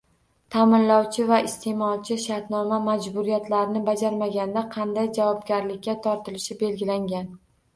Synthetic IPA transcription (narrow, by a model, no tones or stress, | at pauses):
t̪ʰamɪnlɒwt͡ʃʰɪvaɪst̪ʰe̞mɒlˠt͡ʃʰɪʃaɾt̪nɒmamad͡ʒbʊɾijat̪laɾɪnɪbad͡ʒaɾmaɡʲand̪aqʰɑnd̪ajd͡ʒavɒbɡʲaɾlɪkʲːat̪ʰɒɾt̪ɪlɪʃɪbe̞lɡʲɪlaŋɡʲan